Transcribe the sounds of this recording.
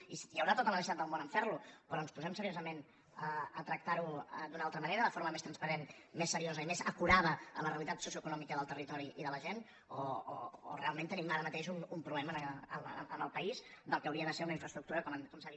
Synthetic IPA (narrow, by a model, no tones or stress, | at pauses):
ijəwɾat̪ot̪əlˠəməsiat̪d̪əlˠmonəɱfɛɾlupɾɔənspuzɛmsəɾiozəmen | əət̪ɾək̚t̪aɾuəd̪unalˠt̪ɾəməneɾəðəfoɾməmest̪ɾənspəɾenmesːəɾiozəimezə̰kuɾað̞əə̰ləreəlit̪at̪susiuəkunɔmikəðəlˠt̪ərit̪ɔɾiʔiðələʒen | ɔ̰ː | rḛalˠment̪ənimaɾəmət̪eʃunumpɾuβlɛmənəəə̰nəlˠpəizd̪əlˠkəːwɾiəðəseɾunəiɱfɾəst̪ɾuk̚t̪uɾəkɔməkɔmsə